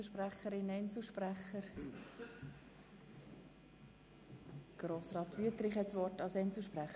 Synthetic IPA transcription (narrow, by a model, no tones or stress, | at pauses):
ʃpræχəɾɪnɛɪnt͡slʃpræχəɾ | ɡ̥ɾoːsrɑːt̪ʋyətɾɪχhɛtsʋɔrtɑlsɛnt͡sl̩ʃpɾæχ